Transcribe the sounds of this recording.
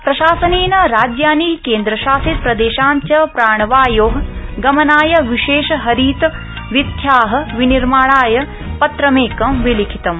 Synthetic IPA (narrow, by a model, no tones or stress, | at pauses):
pɾɐʃaːsɐneːnɐɾaːd͡ʒjaːniːkeːnd̪ɾɐʃaːsit̪̚pɾɐd̪eːʃaːɲt͡ʃɐpɾaːɳɐʋaːjoːɦɡɐmɐnaːjɐʋiʃeːʃɐɦɐɾiːt̪ | ʋit̪ʰjaːɦɐ̆ʋiniɾmaːɭaːjɐ | pɐt̪ɾɐmeːkɐmʋilikʰit̪ɐm